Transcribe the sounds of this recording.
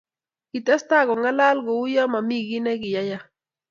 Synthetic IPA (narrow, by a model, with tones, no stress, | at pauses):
ɡɪ˨tɛ˦sta˦˨ɡɔ˨ŋa˦la˦lɡɔ˨ʊ˦jɔ˦ma˨mi˦ɡɪ˦nɛ˦ɡɪ˨ja˦ja˦